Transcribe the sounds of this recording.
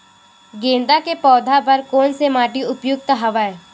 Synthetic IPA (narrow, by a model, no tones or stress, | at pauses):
ɡẽːnd̪akepɔːd̪ʱapɐɾkoːnsemaːʈiʊpjʊk̚t̪ɦɐʋə